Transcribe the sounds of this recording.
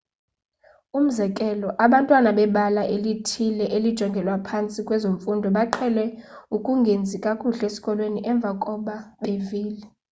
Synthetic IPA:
um̩zɛkʼɛlɔʔaɓantʼwanaɓɛɓalaʔelitʰilɛʔelid̥ʒ̥ʱɔŋɡʱɛlwapʰant͡sʼikʼwɛzoɱfundʱɔɓaǃʰɛlɛukʼuŋɡʱend͡zʱikʼakʼuɬesi̥kʼɔlweniʔɛɱb̪vʱakʼɔɓaɓeviːlɛ

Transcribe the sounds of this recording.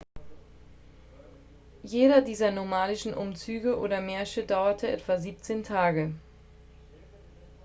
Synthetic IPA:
jeːɾɐdiːzɐnomaːlɪʃn̩ʔʊmt͡syːɡəʔo̰ːɾɐmɛːɐçədaʊɐtʰəʔɛ̰tv̥aziːp̚t͡seːntʰaːɡə

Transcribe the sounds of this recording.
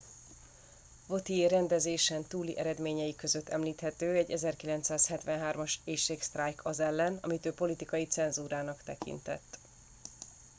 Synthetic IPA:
vo̞t̪ieːɾɛnd̪ɛzeːʃɛnt̪uːlḭʔɛɾɛd̪meːɲɛjikø̞zøt̪ʰːɛmliːt̪hɛt̪øːɛɟːɛzɛrkilɛnt̪saːshɛt̪ʋɛnɦaːrmɒʃeːʃeːkst̪raːjkʰɒzɛlːɛnɒ̰mit̪øːpo̞lit̪ikɒjit̪sɛnzuːɾaːnɒkt̪ɛkḭnt̪ɛ̰t̪ː

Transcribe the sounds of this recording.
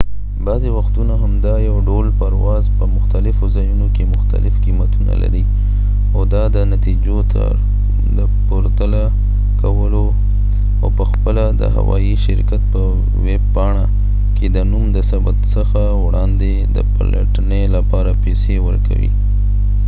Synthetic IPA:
bɑzewaxt̪unaɦamd̪ɑjawɖolpaɾwɑzpəmʊxt̪alɪfozɑjunokemʊxt̪a̰lɪfkimat̪una̰la̰ɾi | ad̪ɑd̪ənat̪id͡ʒot̪ʰa̰ | d̪əpoɾt̪ala | kawəlo | awpəxpəlad̪ə̰ɦa̰wɑ̰jiʃɪɾkat̪̚pə | web̚pɑɳ̃a | ked̪ənumd̪əsabat̪səxa | wɽɑnd̪e | d̪ə̰pə̰la̰ʈənelapɑɾapesewəɾka̰wḭ

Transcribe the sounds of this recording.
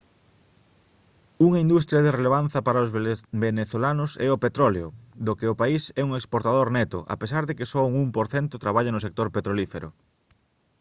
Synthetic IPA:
uŋɐind̪ust̪ɾjɐðereleβ̞anθɐpaɾaozbeneθolanʊsɛopet̪ɾɔleod̪okeopaisɛuŋekspoɾt̪aðoɾnɛt̪ʊʔa̰pesaɾðekesɔuŋumpoɾθɛnt̪ʊt̪ɾaβ̞aʎanʊsek̚t̪oɾpet̪ɾolifeɾʊ̰

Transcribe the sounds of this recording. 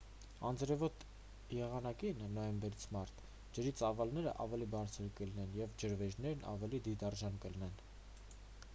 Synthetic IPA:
ɑnd͡zɾɛvɔt̪ | jɛʁɑnɑkinːɔjɛmbɛɾit͡sʰmɑɾt̪ʰ | d͡ʒəɾit͡sɑvɑlnɛɾə̰ʔɑ̰vɛlibɑɾt͡sʰəɾkəlinɛnjɛvd͡ʒəɾvɛʒnɛɾnɑ̰vɛlid̪id̪ɑrʒɑnkəlnɛn

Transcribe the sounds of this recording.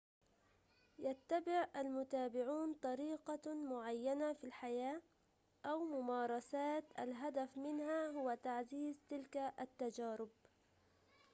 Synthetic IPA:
jat̪ːabɪʕʔalmʊt̪aːbɪʕuːnt̪ˤɑɾiːqɑmʊʕajːanafilħajaː | ʔawmʊmɑːɾˤɑsaːt̪ʔa̰lɦad̪afmɪnhahʊwat̪aʕziːzt̪ɪlkaʔat̪ːad͡ʒaːɾɪb̚

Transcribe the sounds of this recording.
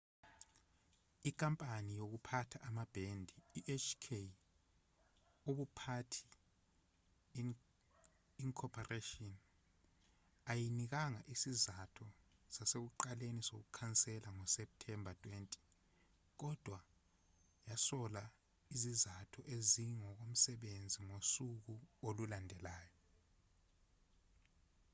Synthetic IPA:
ikʼampʼanijoɣ̬upʰatʰaʔamab̥ʱendʱiːʔet͡ʃʰʼkʰe | oɓupʰatʰi̥ | iŋkʰɔpʰaretʼɔn | ajiniɣ̬aŋaʔisizatʰɔsasek̬uǃalenisok̬ukʰant͡sʼɛlaŋɔsɛp̚tʰɛmbʱatʰʼwentʼi̥ | k̬ɔd̥ʱwa | jasɔla | izizatʰɔʔeziŋɔk̬om̩sɛɓend͡zʱiŋosuk̬uolulandʱɛlaːjɔ

